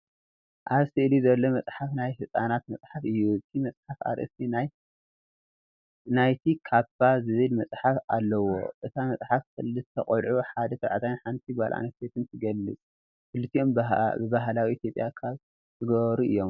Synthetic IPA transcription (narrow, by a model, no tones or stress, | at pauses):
ʔaβsɨʔɨlizɐlːomɐt͡sʼħafnajhɨsʼanat̪mɐt͡sʼħafɨjːuɨt̪ʰimɐt͡sʼħafa̰ɾʔɨ̰st̪inaj | najt̪ʰikʰafazɨβɨlmɐt͡sʼħafalːɐwo̰ʔɨt̪ʰamɐsʼħafkʰɨlːɨt̪ʰːɐχʼlʕuħad̪ɐsʰɐβʕat̪ʰajnħant̪ʰiɡalʔa̰nɐset̪ɨnt̪ʰɨɡɐlːɨt͡sʼ | kɨlːɨt̪ʰːiʔombbɨbaɦlawiit̪ʰjo̞pʼjakʰaβ | t̪ɨɡɐβɐɾuʔɨ̰jːo̞m